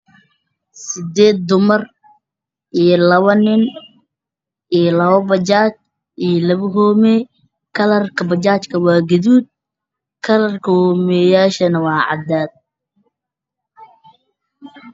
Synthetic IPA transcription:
sɪd̪ɛːd̪̚d̪ʊmɐr | ʔijɔlɐβɐnɪn | ʔijlɐβɐbɐt͡ʃaːt͡ʃ | ijɔlɐβʊɦɔːmɛː | kʰɐlɐrkʰɐbɐt͡ʃaːt͡ʃkʰɐwɑːɡɐðuːd̪̚ | kʰɐlɐrkʰɐhɔːmɛjaːʃɐnɐwɑːʕɑ̰d̪aːd̪̚

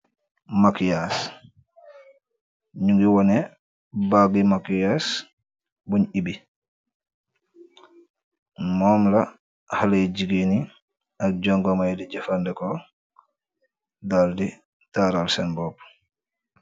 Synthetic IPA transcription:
makijas | ɲuŋɡiwɔnɛ | baɡimakijas | buɲibi | mɔːmla | haleɟiɡeni | ak̚ɟɔŋɡɔmajdiɟafandɛkɔ | daldi | taːɾalsɛnbɔp̚

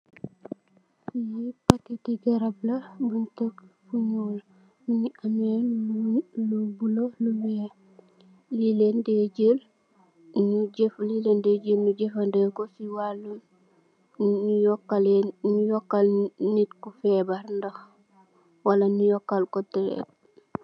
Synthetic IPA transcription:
jipakitiɡeɾablabuntakfuɲoːl | niɲiamen | lubuloluwe | lilendeɟel | nuɟeflilendeɟelnuɟefandekosiwalːun | nujɔkːalennujɔkːalnitkufebaɾndox | walanujɔkːalkotiɾḛt̚

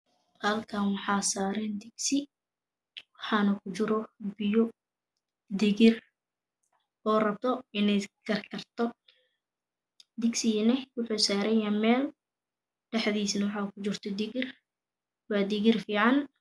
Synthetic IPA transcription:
hɐlkʰɐnwɑħɑːsaːɾɛːnd̪ɪɡsɪ | wɑħɑːnɐkʰʊt͡ʃɪɾɔbɪjɔ | d̪ɪɣɪr | ɔːrɐb̚t̪ʰɔɪnɛjkʰɐrkʰɐrt̪ʰɔ | d̪ɪɡsɪɛnɛwʊħuːsaːɾɛjɐmɛːl | ɖɛħðiːsnɐwɑħɑːkʰʊt͡ʃɪrt̪ʰɔd̪ɪɣɪr | wɑːd̪ɪɣɪrfiːʕɑn

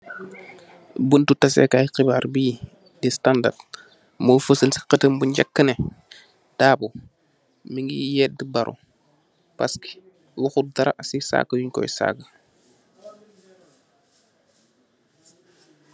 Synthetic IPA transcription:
buntutɐsɛ̰kajqibaːɾbiː | distanda̰d | mojfəsəlsi̥qətəmbuɲɟakːəne | d̥aːbu | miŋɡḭjɛːt̚dibaɾʔṵ | pa̰ski̥ | wuxut̚daɾa̰sisa̰ːkːəwiɲkɔ̰jsa̰ːɡə

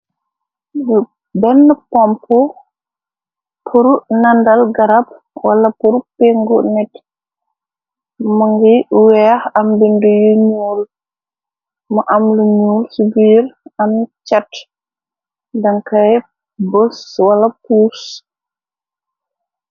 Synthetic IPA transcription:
bɛnːəpɔmpɔ | pʰuɾunandalɡaɾap̚ | walapuɾupeŋɡɔnɛt | mɔŋɡiwɛhambindujuɲuːl | mɔʔamluɲuːlsubiɾamt͡ʃat | daŋkaj | bɔswalapuːs

